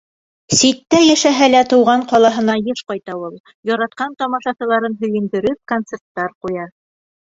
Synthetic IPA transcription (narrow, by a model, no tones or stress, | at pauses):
sit̪ːæjæʃæɦælæt̪ŭwʁɑɴqɒlˠɑɦɤ̆nɑjɤʃqɑjt̪ɑwulˠ | jɒɾɑt̪̚qɑnt̪ɒmɑʃɑsɤ̆lˠɑɾɤnɦɵ̆jɘ̆nd̪ɘ̆ɾɵp̚kont̪sert̪ːɑɾqujɑ